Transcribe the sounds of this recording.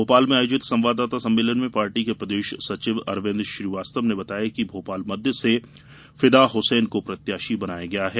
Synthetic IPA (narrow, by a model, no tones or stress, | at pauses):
oːpaːlmẽaːjʊd͡ʒɪt̪sɐ̃mʋaːd̪ːaːt̪asɐ̃mːeːlənmẽpaːɾʈikepɾəd̪eːʃsɐt͡ʃɪʋɐ̰ɾʋẽːnd̪ɾʃɾiːʋaːst̪əmnebɐt̪aːjakibʱoːpaːlmɐd̪ʱjəse | fɪd̪aɦʊsɛːnkopɾɐt̪jaːʃibɐnaːjaɡɐjaɦɛː